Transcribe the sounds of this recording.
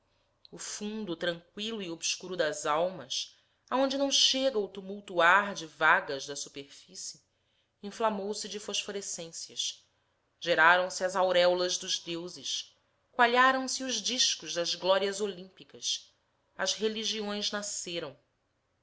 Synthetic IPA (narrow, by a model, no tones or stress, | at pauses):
ʊfũnd̪ʊt̪ɾɐ̃ŋkwilʊiobsʃkuɾʊd̪ɐzawmɐs | aõnd͡ʒɪnɐ̃w̃ʃeɡɐʊt̪umuwt̪uaɾd͡ʒɪvaɡɐzd̪ɐsupeɾfisɪ | ĩflamowsɪd͡ʒɪfoʃfoɾesẽsjɐ̰ʃ | ʒ̥eɾaɾɐ̃w̃sɪɐzawɾɛwlɐzd̪ʊzd̪ewzɪʃ | kwaʎaɾɐ̃w̃sɪʊʒd͡ʒiʃkʊʒd̪ɐzɡlɔɾiɐzolĩpikɐs | ɐ̰zɦeliʒiõj̃znaseɾɐ̃w̃